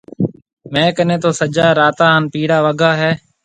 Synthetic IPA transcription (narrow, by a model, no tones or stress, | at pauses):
mɛ̃ːkənẽːt̪oːsəd͡ʒaːɾaːt̪aːɦənpiːɽaːʋəɡʱaːɦɛː